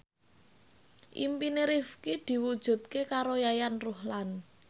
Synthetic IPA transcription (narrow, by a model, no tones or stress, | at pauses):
ʔḭmpineɾifkid̪̥i̤wud̥ʒ̥ṳt̪̚kekaɾojajanruhlan